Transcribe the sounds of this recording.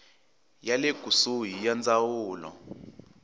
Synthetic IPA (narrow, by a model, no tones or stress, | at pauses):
jaleɡ̥ʱusuɦijand͡zawuːlɔ̰